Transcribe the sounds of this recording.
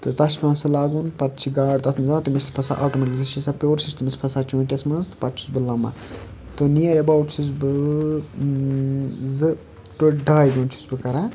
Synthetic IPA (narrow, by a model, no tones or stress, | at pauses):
t̪ɨt̪ɐʃpʲemɐ̃sɐlaːɡunpɐt̪̚t͡ʃʰiɡaːɖt̪ɐt̪ʰmizaːt̪imiɾspʰɐsa̰ʔa̰ːʈomɐʈʲiziʃʰisapʲoːɾsisʰt̪ɨmispʰɐsaːt͡ʃũːʈʲesmɐnzt̪ɨ̥pɐt̪t͡ʃʰu̥zbɨlɐmːa̰ | t̪ɨnijɐɾebawʈsʰuzbɨ | zɨ | ʈoɖaːjɡuːnt͡ʃʰu̥sbɨkɐɾa